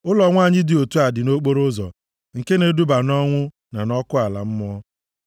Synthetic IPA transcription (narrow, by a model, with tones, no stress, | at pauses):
ʊ˦lɔ˨ŋʷa˦˨ɲɪ˦dɪ˨o˨tu˦a˨dɪ˨no˦k͡po˦ɾo˦zɔ̰˨ | ŋ̩˨ke˦ne˨du˦ba˨nɔ˦ŋʷʊ˦ | na˨nɔ˦kʊ˦a˨la̰˨m̩˦m˦ɔ˦